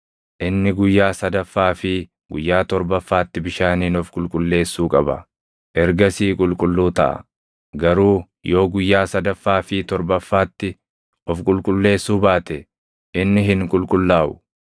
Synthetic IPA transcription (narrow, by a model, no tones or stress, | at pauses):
ʔɪnːɪɡʊjːaːsɐd̪ɐfːaːfɪ | ɡʊjːaːt̪ɔɾbɐfːaːt̪ːɪbɪʃaːniːnɔfkʼʊlkʼʊlːe̞ːsːuːkʼɐbɐ̰ | ʔɛɾɡɐsiːkʼʊlkʼʊlːuːt̪ɐ̰ʔɐ̰ | ɡɐɾuː | jo̞ːɡʊjːaːsɐd̪ɐfːaːfɪt̪ɔɾbɐfːaːt̪ːɪ | ɔfkʼʊlkʼʊlːe̞ːsːuːbaːt̪ɛ | ʔɪnːɪɦɪŋkʼʊlkʼʊlːaːʔʊ̥